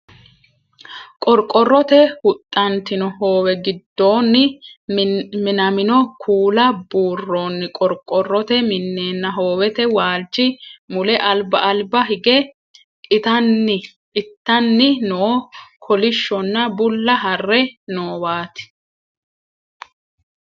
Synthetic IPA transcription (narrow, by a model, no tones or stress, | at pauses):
kʼɔɾkʼːɔrːɔt̪ɛhʊt̪ʼːɐnt̪ɪnɔho̞ːwɛɡɪd̪ːo̞ːnːɪ | mɪnɐmɪnɔkʰuːlɐbuːrːo̞ːnːɪkʼɔɾkʼːɔrːɔt̪ɛmɪnːe̞ːnːɐɦoːwɛt̪ɛwaːlt͡ʃːɪmʊlɛʔɐlbɐʔɐlbɐɦɪɡɛ | kʼɪt̪ɐnːɪ | ɪt̪ːɐnːɪnoːkʰɔlɪʃːɔnːɐbʊlːɐɦɐrːɛnoːwaːt̪ɪ̥